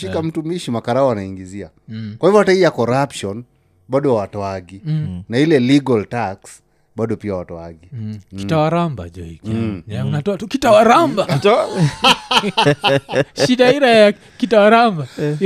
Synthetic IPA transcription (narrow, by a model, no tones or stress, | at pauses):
ʃikam̩tumiʃimakaɾaɔwanaiŋɡizia | kwahivɔhataijakɔɾapʃɔn | ɓaɗɔwawatɔaɡinailɛliɡaltaks | ɓaɗɔpiawatɔaɡikitawaɾamba̰ʄɔ̰ḭkaunatɔatukitawaɾamba | ʃiɗaiɾaja | kitawaɾamba